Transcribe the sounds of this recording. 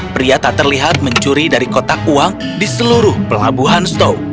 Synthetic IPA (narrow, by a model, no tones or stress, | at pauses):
pɾiat̪at̪ərliɦat̪̚məɲt͡ʃuɾidaɾikot̪ak̚uaŋ | disəluɾʊhpəla̰buɦanst̪ow